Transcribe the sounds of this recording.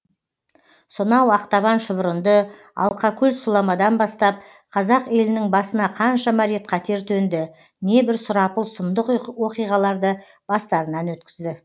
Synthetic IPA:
sʊnɑwɑqt̪ɑβɑnʃʊbɾənd̪ə | ɑ̰lˠqɑkʲʰɵlsʊlˠɑmɑd̪ɑnbɑst̪ɑp̚ | qʰɑzɑqe̞lɪnɪŋbɑsənɑqʰɑnʃɑmɑɾet̪qʰɑt̪ʰe̞ɾt̪ʰɵnd̪ɪ | ne̞bɪɾsʊɾɑpəlˠsʊmd̪əqwo̞qijʁɑlˠɑɾd̪ə | b̥ɑst̪ɑɾənɑnwɵt̪kʲɪzd̪ɪ

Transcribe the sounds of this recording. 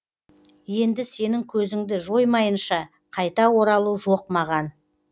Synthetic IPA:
je̞nd̪ɪse̞nɪŋkʲʰɵzɪŋd̪ɪʒo̞jmɑjənʃɑ | qʰɑjt̪ɑwo̞ɾɑlˠuʒoq̚mɑʁɑn

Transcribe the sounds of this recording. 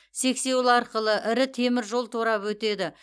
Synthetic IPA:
se̞kse̞wlˠɑɾqəlˠəʔɪɾɪt̪ʰe̞mɪɾʒo̞lˠt̪ʰoɾɑpwɵt̪e̞d̪ɪ

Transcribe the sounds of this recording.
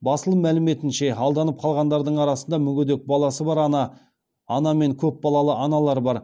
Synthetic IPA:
bɑsəlˠəmælɪme̞t̪ɪnʃe̞ɑlˠd̪ɑnəp̚qʰɑlˠʁɑnd̪ɑɾd̪əɴɑɾɑsənd̪ɑmʏɡʲed̪ek̚bɑlˠɑsəbɑɾɑnɑ | ɑnɑme̞ŋkʲʰɵp̚bɑlˠɑlˠəʔɑnɑlˠɑɾbɑɾ

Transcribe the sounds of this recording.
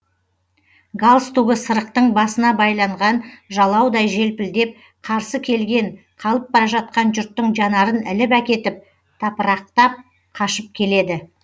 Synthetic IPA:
ɡalˠst̪uɡʲɪsəɾəqt̪əɴbɑsənɑbɑjlˠɑɴʁɑnʒɑlˠɑwd̪ɑjʒe̞lpɪld̪e̞p̚ | qʰɑɾsəkʲʰe̞lɡʲe̞ŋ | qʰɑlˠəp̚bɑɾɑʒɑt̪̚qɑnʒʏɾt̪ːəɴʒɑnɑɾənɪlɪpækʲe̞t̪ɪp̚ | t̪ʰɑpəɾɑq̚t̪ɑp̚ | qʰɑʃəp̚kʲʰe̞le̞d̪ɪ

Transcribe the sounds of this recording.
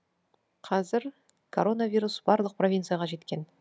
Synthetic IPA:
qʰɑzɪɾ | kʰo̞ɾo̞navʲijɾusb̥ɑɾlˠəq̚pro̞vʲint̪sɨjaʁɑʒe̞t̪kʲe̞n

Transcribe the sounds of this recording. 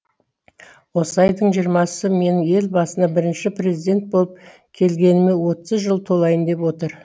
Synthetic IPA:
wosɑjd̪əɴʒijəɾmɑsəme̞nɪŋje̞lbɑsənɑbɪɾɪnʃɪpre̞zid̪ʲe̞nt̪̚bo̞lˠəp̚ | kʲʰe̞lɡʲe̞nɪme̞wo̞t̪əzʒəlˠt̪ʰo̞lˠɑjənd̪e̞pwo̞t̪əɾ

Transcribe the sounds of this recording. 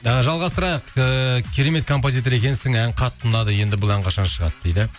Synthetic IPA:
əʒɑlˠʁɑst̪əɾɑjəqəkʲʰiɾe̞me̞t̪̚kʰo̞mpozijt̪o̞ɾe̞kʲe̞nsɪŋæŋqʰɑt̪ʰːʊnɑd̪əje̞nd̪ɪbʊlˠæɴqʰɑʃɑnʃəʁɑ̰t̪d̪e̞jd̪ɪ

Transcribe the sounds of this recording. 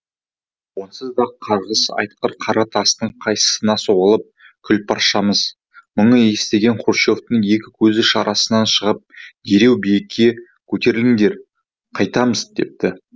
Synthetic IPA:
wo̞nsəzd̪ɑqʰːɑɾʁəsɑ̰jt̪̚qəɾqʰɑɾɑt̪ʰɑst̪əɴqʰɑjsə̥sənɑso̞ʁəlˠəp̚ | kʲʰʏlpʰɑɾʃɑməz | məɴəje̞st̪e̞ɡʲe̞ɴqʰuɾʃo̞ft̪əɴje̞kʲɪkʲʰɵzɪʃɑɾʔɑsənɑnʃəʁəp̚d̪eɾe̞wbijekʲʰːe̞ | kʲʰɵt̪e̞ɾɪlɪŋd̪e̞ɾ | qʰɑjt̪ɑməzd̪e̞̰p̚t̪ɪ

